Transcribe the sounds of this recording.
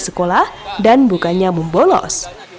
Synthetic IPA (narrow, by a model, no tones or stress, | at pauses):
sə̥kolahdanbukaɲaməmbolɔ̰s